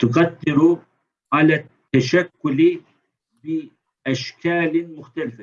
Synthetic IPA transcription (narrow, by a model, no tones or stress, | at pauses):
t̪ʊqad̪ːɪɾu | ʕalaːt̪ːaʃakːʊl | bɪ | ʔaʃkʰaːlmʊxt̪alɪfa